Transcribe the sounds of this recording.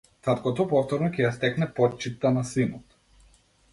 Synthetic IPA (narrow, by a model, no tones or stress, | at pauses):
t̪at̪kɔt̪ɔpɔft̪ɔɾnɔcʲɛjast̪ɛknɛpɔt͡ʃit̪ːanasinɔt̪